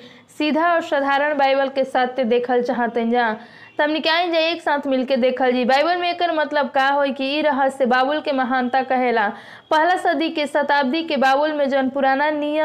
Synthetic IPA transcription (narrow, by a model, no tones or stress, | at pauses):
sid̪ʱaɔɾsəd̪ʱaɾəɳ̃bajbəlkesat̪ʰːed̪ekʰəlt͡ʃaɦət̪ənd͡ʒã | t̪ɦəmnikaind͡ʒaeksãt̪ʰmilked̪ekʰəld͡ʒibajbəlmeekəɾmət̪ləb̚kaɦojkiːɾəɦəebabulkeməɦant̪akəɦela | pəɦlasəd̪ikesət̪ab̚d̪ikebabulmed͡ʒənpuɾananijə